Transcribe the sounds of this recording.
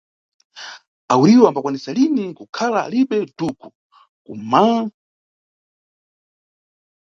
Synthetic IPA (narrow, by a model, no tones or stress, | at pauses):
awuɾiwambakwanisalinikukʰala̰ːlipɛduku | kṵma